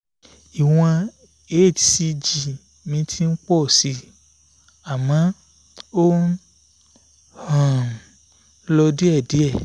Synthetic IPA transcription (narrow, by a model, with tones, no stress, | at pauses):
i˨w̃ɔ̃˧ | e˦˨ti̥˨si˧d͡ʒi˨ | mĩ˧˦tʰi˦n̩˦k͡pɔ˦˨si˧˦ | a˨mã˨˦ | o˦ | hã˦˨˦ | lɔ˧di˦ɛ˦˨di˨˦ɛ˦˨